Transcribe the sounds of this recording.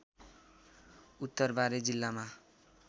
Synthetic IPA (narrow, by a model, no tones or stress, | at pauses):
ut̪ːʌrbaɾed͡zilːama